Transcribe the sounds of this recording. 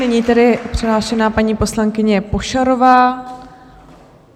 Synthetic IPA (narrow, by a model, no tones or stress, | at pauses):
nɪɲiːt̪ɛdɪpr̝̥ɛɦlaːʃɛnaːpaɲiːpo̞slaŋkɪɲɛpo̞ʃaɾo̞vaː